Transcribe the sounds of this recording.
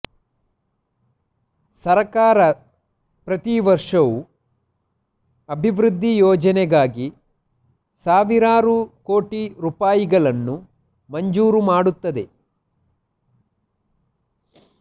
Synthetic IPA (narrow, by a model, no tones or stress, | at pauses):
sɐɾɐkaːɾɐ | pɾɐt̪iʋɐɾʂɐʋu | ɐbʱiʋɾud̪ʱːijɔːd͡ʒɐnɛɡaːɡi | saːʋiɾaːɾuko̞ːʈiɾupaːjiɡɐɭɐnːu | mɐɲd͡ʒuːɾumaːɽut̪ːɐd̪e̞